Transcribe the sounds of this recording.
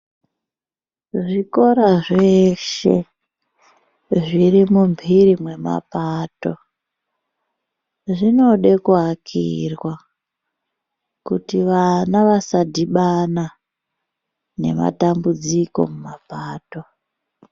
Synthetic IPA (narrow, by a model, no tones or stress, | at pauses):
ʐiko̞ɾaʐe̞ʃe̞̰ | ʐirimumbʱiɾimwe̞ma̰paːto̞ | ʐino̞ɗe̞kuɦakʰḭrwa | kutiʋanaʋasadʱiɓana | ne̞ma̰tambud͡ziko̞̰mumapaːto̞